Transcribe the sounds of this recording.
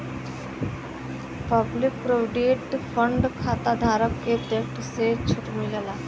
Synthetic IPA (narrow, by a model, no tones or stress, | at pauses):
pəblik̚pɾoɖiʈfəɳɖkʰat̪ad̪ʱaɾəkːet̪ek̚ʈset͡ɕʰuʈmiləla